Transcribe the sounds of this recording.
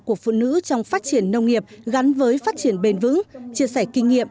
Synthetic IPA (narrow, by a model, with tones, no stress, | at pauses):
ku˧˩əkfṵ˧˨nɨ̰˧˥t͡ɕɔ˧wŋ͡mfaː˦˥t̚t͡ɕi˧˩ənːə˧wŋ͡mŋi˨˩əp̚ɣa˨˦nvəː˨˦jfaː˦˥t̚t͡ɕi˧˩ənɓe˧nvɨ̰˧˥ŋt͡ɕi˧˩əsɛ˧˩kï˧ŋ̟ŋḭ˧˨əm